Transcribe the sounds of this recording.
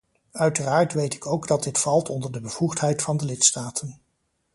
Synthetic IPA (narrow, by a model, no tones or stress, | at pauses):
œɥtəraːɹtʋejtɪ̥kowɡdɑt̚dɪtfɑlˠtʰɔndəɹdəbəv̥uχtɦɛjtfɑndəlɪtstaːtən